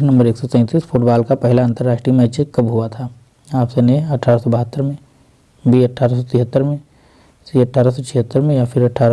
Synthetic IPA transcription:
nɐ̃mbəɾeːksɔt̪ɛ̃ːt̪iːsfʰʊːʈbaːlkapɛɦlaə̃nt̪əɾːaːʃʈɾimɛ̃ːt͡ʃekɐbɦʊat̪ʰaː | aːpseneɐʈʰːaːɾasɔbɐɦət̪ːəɾmẽ | bʱiːɐʈʰːaːɾas̬ɔt̪ʰɪɦət̪ːəɾmẽ | siɐʈʰːaːɾasɔt͡ʃʰɪɦət̪ːəɾmẽjafʰɪɾɐʈʰaːɾa

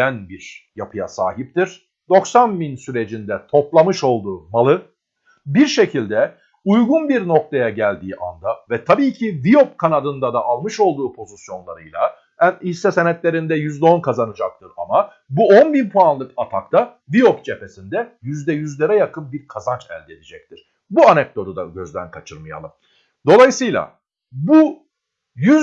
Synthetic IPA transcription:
ænbiɾ̥japʰɯja̰sa̰ːɦip̚t̪ʰiɾ̥ | d̪̥o̞ksanbinsyɾe̞d͡ʒind̪ɛt̪ʰo̞plˠamɯʃo̞lˠd̪uːmalˠɯ | biɾʃe̞cʰilʲd̪ɛ | ujɡunbiɾno̞k̚t̪ʰajaɟælʲd̪iːʔa̰nd̪avɛt̪ʰabiːcʰivijo̞p̚kʰanad̪ɯnd̪ad̪aʔːlˠmɯʃo̞lˠd̪uːpʰo̞zisjo̞nlˠa̰ɾɯjlˠa̰ | ænhisːɛsenɛt̪lʲe̞ɾind̪ɛjyzd̪ɛonkʰazanɯd͡ʒak̚t̪ʰɯɾama | buonbinpʰoanlˠɯkat̪ʰakt̪ʰavijo̞p̚d͡ʒe̞pe̞sind̪ɛjyzd̪ɛjyzlʲeɾɛjakʰɯnbiɾkʰazant͡ʃæ̰lʲd̪ɛed̪id͡ʒɛc̚t̪ʰiɾ̥ | buanɛk̚d̪o̞d̪ud̪a̰ɟø̞zd̪æ̰nkʰat͡ʃʰɯɾmaja̰lˠɯm | d̪o̞lˠajɯsɯjlˠa̰ | bu | jy

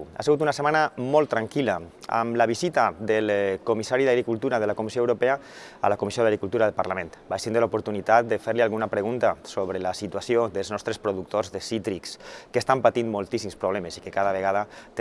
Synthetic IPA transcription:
a̰seɣut̪unasemanamɔlˠt̪ːɾaŋkilaa̰mlaβizit̪ad̪əlkumisaɾiðaɣɾikulˠt̪uɾaðəlakumisioewɾopɛaa̰lakumisioðaɣɾikulˠt̪uɾaðəlpaɾlament̪bajsind̪elupuɾt̪unit̪at̪̚d̪əfeɾlialˠɣunapɾeɣ̞unt̪asoβɾelasit̪uasioðəlˠznɔst̪ɾespɾuðuk̚t̪ozðesit̪ɾikskəːst̪ampat̪inmolˠt̪isimspɾuβlɛməsikekaðəβ̞eɣaðat̪

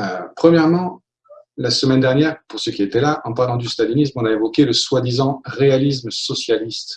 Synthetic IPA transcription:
øpχəmjɛʁmɑ̃ | lasəmɛnd̪ɛʁnjɛʁpuʁsəkʲiet̪ɛlaʔɑ̃paʁlɑ̃d̪yst̪alinismɔ̃naevɔkʲeləswad̪izɑ̃ʁealis̬msɔsjalist̪

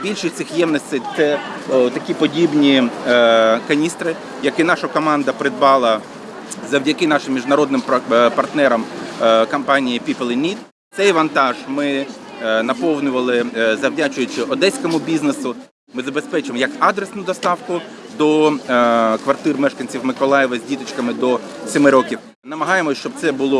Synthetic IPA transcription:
bʲilʲʃɪt̪ʲɪxjɛmnɔsʲt̪ʲɛjt̪sɛt̪ɐkʲipɔdʲibnʲi | kɐnʲist̪ɾɪ | jɐkɪnɑʃɐkɔmɑnd̪ɐpɾɪd̪̚bɑlˠɐ | zɐwdʲɐkɪnɑʃɪmːʲiʒnɐɾɔd̪nɪmpɐrt̪nɛɾɐmkɐmpɑnʲijipʲiplˠɪnʲit̪ | t̪sɛjʋɐnt̪ɑʒmɪ | nɐpɔwnʲʊʋɐlˠɪzɐwdʲat͡ʃʊjʊt͡ʃɪɔd̪ɛsʲkɔmʊbʲiznesʊ | mɪzɐbespɛt͡ʃɪmɔjɐkɑd̪ɾesnʊd̪ɔst̪ɑwkʊ | d̪ɔ | kʋɐrt̪ɪrmɛʃkɐnʲt͡sʲiwmɪkɔlˠɑjɪʋɐzʲdʲit̪ɪt͡ʃkɐmɪd̪ɔ | sʲɔmɪɾɔkʲiw | nɐmɐɦɑjemɔt͡ʃɔb̚t̪sɛbʊlˠɔ

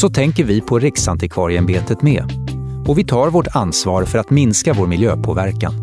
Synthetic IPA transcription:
sɔt̪ʰɛŋkəɾvɪpʰɔɾɪksant̪ɪkʰvɑːɾɪɛnbeːt̪ət̪mḛːɔvɪt̪ʰɑːɾvoʈansvɑːɾfœɾat̪mɪnskavoːɾmɪljø̰ːpʰo̰ːvæɾka̰n

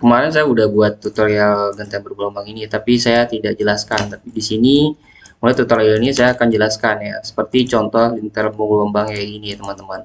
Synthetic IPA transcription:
kəmaɾɛns̬ajaudahbuat̪ːut̪ɔrjalɡənt̪aŋbərɡulɔmbaŋinit̪apisajat̪idak̚d͡ʒəlaskant̪apidisini | mulajt̪ut̪ɔɾjalnɲasajaːkand͡ʒəlaskanjasə̥pərt̪it͡ʃɔnt̪ɔhdint̪ərmuŋulɔmbaŋjainiat̪əmant̪əman

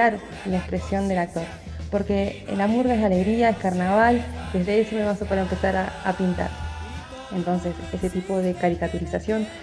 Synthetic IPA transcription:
aɾ | laekspɾe̞sjo̞nd̪e̞lak̚t̪o̞ɾ | po̞ɾke̞̰lamuɾɣaesale̞ɣɾiaeskaɾnaβ̞ald̪e̞zðe̞esomeβasopaɾaempe̞saɾaa̰pint̪a̰ɾ | e̞nt̪o̞nse̞seseset̪ipo̞ð̞e̞kaɾikat̪uɾisasjo̞n

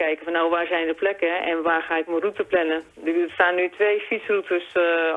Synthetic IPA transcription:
ɛjkəfɔnːawʋaːrsɛjndəplɛkəɛ̰nʋaːrxaːɪkmərutəplɛnə | dəstaːnːytʰʋeːfisrutəs

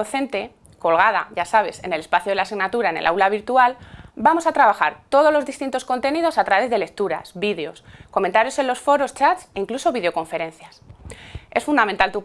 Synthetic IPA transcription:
oθe̞nt̪e̞ | ko̞lɣ̞aða̰ʝasaβ̞e̞se̞̰ne̞le̞spaθjoð̞e̞lasiɣnat̪uɾaene̞lʔa̰wlaβiɾt̪ualbamosat̪ɾaβ̞axa̰ɾt̪o̞ð̞o̞zlo̞zðist̪int̪o̞sko̞nt̪e̞nið̞o̞sat̪ɾaβe̞zðele̞k̚t̪uɾa̰sbið̞eo̞sko̞ment̪aɾjo̞se̞nlo̞sfo̞ɾo̞st͡ʃat̪seiŋkluso̞βið̞eo̞ko̞ɱfe̞ɾe̞n̟θjas | e̞sfund̪ament̪alt̪u

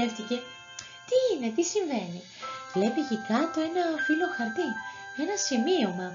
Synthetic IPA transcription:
eft̪ice̞ | t̪iːne̞t̪̬isiɱve̞ni | vle̞picikɐt̪o̞e̞nɐfilo̞xɐɾt̪ie̞nɐsimio̞mɐ

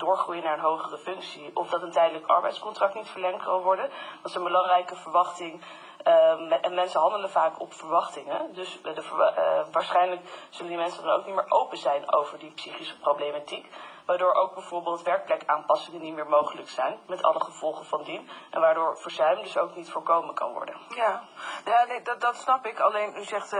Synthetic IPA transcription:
d̥ʊːɹχrujənaːɹənɦowχərəfʏŋksiɔfdɑtantɛjdələkɑ̰ɹbɛ̰jtskɔntrɑk̚tnitfəɹlɛŋtkɑnʋɔɹdənʋɑntsonbəlɑŋrɛjkəvəɹʋɑχtɪŋ | ʔɛnmɛnsəɦɑndələvaːkɔpfəɹʋɑχtɪŋədɵsdəʋaːɹsχɛjnələkz̥ɵləndimɛnsədɑno̰wk̚nitmɪːɹʔowpəzɛjno̰wvəɹdipsiχisə̥prowblejmatikʋaːɹdʊːɹʔowɡ̚bɛjv̥ʊːɹbɪːlˠtʋɛɹk̚plɛkaːnpɑsɪŋənitmɪːɹmowχələksɛjnmɛtɑ̰ləχəv̥ɔlˠχəvɑndinʔɛ̰nʋaːɹdʊːɹv̥əɹzœɥmdɵsowknitfʊːɹkowmənkɑ̰nʋɔ̰ɹdə̰njaaneddɑtsnɑpɪkɑlejnyzɛχt

